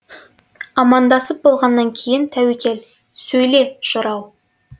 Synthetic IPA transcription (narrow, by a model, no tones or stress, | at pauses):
ɑmɑnd̪ɑsəp̚bo̞lˠʁɑnːɑŋkʲʰe̞jɪnt̪ʰæwekʲʰe̞l | sɵjle̞ʒ̥əɾɑw